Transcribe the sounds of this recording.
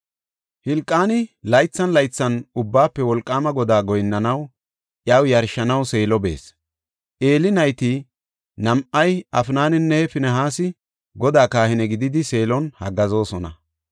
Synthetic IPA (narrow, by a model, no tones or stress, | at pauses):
hɪlkʼːaːnɪlɐjt͡sːɐnlɐjt͡sːɐnʊbːaːpːɛwɔlkʼːaːmɐɡɔd̪aːɡɔjnːɐnɐw | ʔjɐwjɐɾʃːɐnɐwse̞ːlɔbḛːs | ʔe̞ːlɪnɐjt̪ɪ | nɐmʔɐjɐfnaːnɪnːɛfɪnɛɦaːsɪ | ɡɔd̪aːkaːhɪnɛɡɪd̪ɪd̪ɪse̞ːlɔnhɐ̰ɡɐzo̞ːsɔnɐ̰